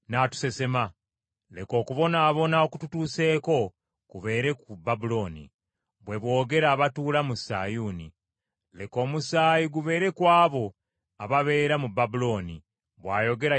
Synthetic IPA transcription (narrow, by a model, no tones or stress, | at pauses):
naːtu̥se̞se̞ma | leko̞ːkuβo̞naːβo̞naokututuːse̞ːko̞ | kuβe̞ːɾe̞kubabulo̞nḭ | βwe̞βwo̞ːɡe̞ɾaːβatuːlamusa̰juːnḭ | leko̞ːmusaːjiɡuβe̞ːɾe̞kwaːβo̞ | aβaβe̞ːɾamubabulo̞ːni | βwaːjo̞ɡe̞ɾa